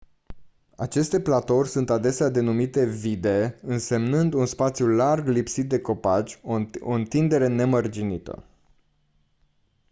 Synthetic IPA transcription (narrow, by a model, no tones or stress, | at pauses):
at͡ʃe̞st̪e̞plat̪o̞rʲsunt̪ad̪e̞sead̪e̞numit̪e̞vid̪e̞ɨnse̞mnɨnd̪unspat̪sjularɡlipsit̪̚d̪e̞ko̞pat͡ʃʲo̞ɨnt̪ind̪e̞ɾe̞ne̞mərd͡ʒinit̪ə̰